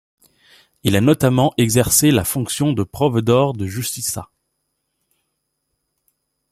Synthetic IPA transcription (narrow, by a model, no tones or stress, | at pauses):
ilanɔt̪amɑ̃ʔɛɡzɛʁselafɔ̃ksjɔ̃d̪əpχɔvd̪ɔʁd̪əʒyst̪isa̰